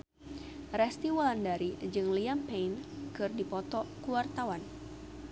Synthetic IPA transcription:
rɛst̪iwɔlandaɾid͡ʒɨŋliampejnkɨrdipɔt̪ɔkuwart̪awan

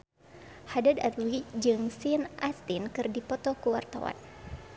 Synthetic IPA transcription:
hadadat̪wid͡ʒɨŋsinʔast̪inkɨrdipɔt̪ɔkuwart̪a̰wa̰n

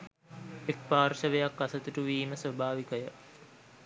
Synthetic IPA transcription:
ek̚paːrʃəʋejakːasət̪uʈuʋiːməsʋəbʱaːʋikəjə

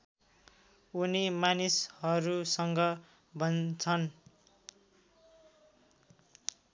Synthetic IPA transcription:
unimanishʌɾusʌŋɡʌ | bʱʌnt͡sʰʌn

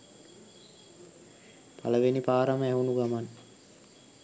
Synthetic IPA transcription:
pʰaləʋenipaːɾaməæɦunuɡaman

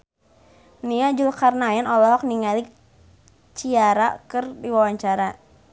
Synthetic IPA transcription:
niad͡ʒulkarnaɛnɔlɔɦɔk̚niŋalik | t͡ʃiaɾakɨrdiwawaɲt͡ʃaɾa

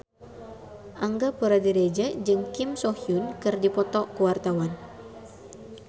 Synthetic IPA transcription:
ʔaŋɡapuɾadiɾed͡ʒad͡ʒɨŋkimsɔhjunkɨrdipɔt̪ɔkuwart̪awan

